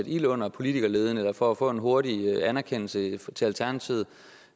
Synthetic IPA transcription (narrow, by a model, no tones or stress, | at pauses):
ed̥ilɔ̽n̰ɐpʰo̝lit͡sʰiɡ̥ɐle̝ːð̞ˠn̩elɐfɒæfɔ̰̽ːe̝nɦo̝ɐɾiænæɐkʰen̰l̩sət͡sʰe̝ælt͡sʰæɐnæt͡sʰiʊð̩ˠ